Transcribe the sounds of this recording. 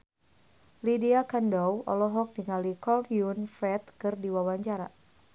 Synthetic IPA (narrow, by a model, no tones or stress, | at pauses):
lidiakandɔwɔ̰lɔɦɔk̚diŋalikɔldjunfɾɛt̪̚kɨrdiwawaɲt͡ʃaɾa̰